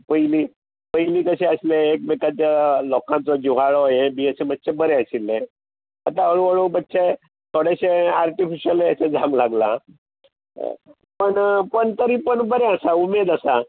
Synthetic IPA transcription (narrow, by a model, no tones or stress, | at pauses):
pəjili | pəɦiliːkəɕeəsleːk̚bekat̪jalɔkãnt͡sɔd͡ʑuʋaɭɔjebiesemət̪ːɕʰebəɾeəsilẽ | at̪aəɭʋəɭobətːɕe | t̪ʰoɽeɕeaɾʈifiɕiəleəsed͡zʱãŋɡlaɡla | pəɳpəɳt̪əɾiːpəɳbəɾeəsaumed̪əsa